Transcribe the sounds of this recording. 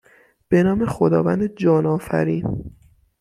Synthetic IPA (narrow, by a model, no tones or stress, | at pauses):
b̥e̞nɒːme̞xod̪ɒ̰ːvænd̪ed͡ʒɒːnɒːfæ̰ɾiːn